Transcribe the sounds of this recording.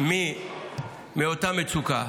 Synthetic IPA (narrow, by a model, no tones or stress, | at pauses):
mĩ | meotãmetuka